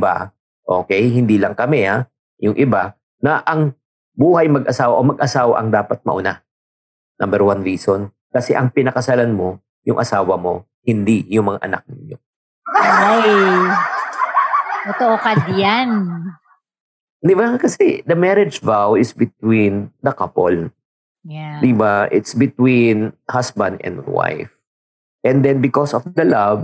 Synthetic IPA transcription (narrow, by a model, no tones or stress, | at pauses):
ba̰ | ʔo̞̰ːkɛjhɪnd̪iːlɐŋkɐmɛa | jʊŋʔɪba | nɐʔɐŋ | buːhɐjmɐɡʔɐsaːwaʔomɐɡ̚ʔɐsaːwa̰ʔɐŋd̪aːpɐt̪̚mɐ̰ʔʊna | nɐ̃mbɛɾwanɹiːson | kɐsɛ̰ʔɐŋpɪnɐkɐsɐlanmo̞ | jʊŋʔɐsaːwɐmo̞ | hɪnd̪ijʊŋmɐŋa̰ʔɐna̰k̚nɪɲjo | aj | t̪ot̪oʔokɐd̪jan | d̪ɪbakɐsɛd̪ɐmɛɾɛd͡ʒvawɪsbɪt̪̚wind̪ɐkapo̰l | jad̪ɪbaʔɪt̪sbɪt̪winhasbɐ̃nd̪ɛ̰̃nd̪wa̰jf | ʔɛ̃nd̪ɛnbɪkɔsɔfd̪ɐlab